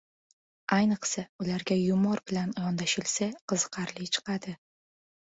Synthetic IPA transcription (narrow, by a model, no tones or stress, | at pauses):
ajnɨqsaʊlaɾɡʲajʊmɒɾbɪlanjɒnd̪aʃɪlsaqʰɨzɨqʰɑɾlɪt͡ʃʰɨ̥qʰɑd̪ɪ